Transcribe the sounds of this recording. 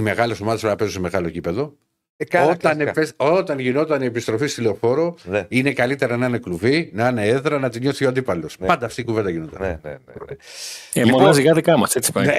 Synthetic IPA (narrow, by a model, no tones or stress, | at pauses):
ime̞ɣɐleso̞mɐðespɾɐpezuseme̞ɣɐlo̞cipe̞ðo̞ | ɐot̪ɐneeso̞t̪ɐnʝino̞t̪ɐnie̞pist̪ɾo̞fist̪ilofo̞ɾo̞ine̞kɐlit̪e̞ɾɐnɐne̞kluvinɐneeðɾɐnɐt̪iɲo̞θioɐnd̪ipɐlo̞spɐnd̪ɐːft̪iːkuved̪ɐʝinot̪ɐnneemonɐsiɣɐðikɐmɐst̪et͡si̥pɐ